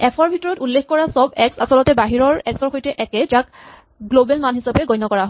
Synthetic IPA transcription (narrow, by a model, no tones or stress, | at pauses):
ɛpʰɔɹbʱitɔɹɔtulːexkɔɹasɔbɛksa̰sɔlɔtɛbaɦiɹɔɹɛksɔɹxojtɛʔɛkɛd͡ʒak | ɡlobɛlmanɦisapɛɡɔjnɔkɔɹaɦɔ